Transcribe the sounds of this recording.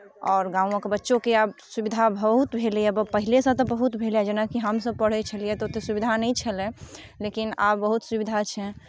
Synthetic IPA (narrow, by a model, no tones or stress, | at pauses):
ɔːɾɡãːũõkebətːʃõkeabsubid̪ʱabəɦut̪bʱeliɛbəpəɦilesə̃t̪ɔbəɦut̪bʱelɛd͡ʒenakiɦəmsəb̚pəɽ̤ɛt͡ʃʰəliɛt̪ot̪esubid̪ʱanəĩt͡ʃʰəlẽlekina̰bbəɦut̪subid̪ʱat͡ʃʰɛ̃